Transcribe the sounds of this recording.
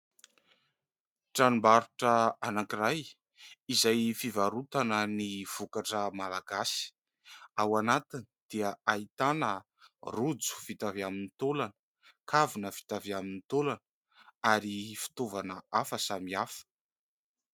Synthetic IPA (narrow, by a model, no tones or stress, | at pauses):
ʈ͡ʂanimbaɾuʈ͡ʂəanakiraj | izajfivaɾut̪anəniv̥ukaʈ͡ʂəmalaɡasi̥ | awanat̪inid̪̥iəait̪anə | rud͡zu̥v̥it̪aviaminit̪olanə | kʰavunəvi̥t̪aviaminit̪olanə | aɾifi̥t̪ovanəafəsamiafə̥